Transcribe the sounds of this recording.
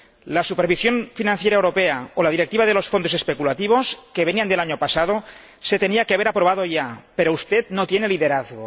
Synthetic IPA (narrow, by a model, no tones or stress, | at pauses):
lasupeɾβ̞isjo̞ɱfinãnθjeɾaewɾo̞peaolað̞iɾek̚t̪iβaðelo̞sfond̪o̞sespekulat̪iβ̞o̞skeβeniand̪elaɲopasað̞o̞ | se̞t̪e̞niakeaβeɾapɾoβ̞aðo̞ʝape̞ɾoust̪et̪not̪je̞neliðeɾaθɣo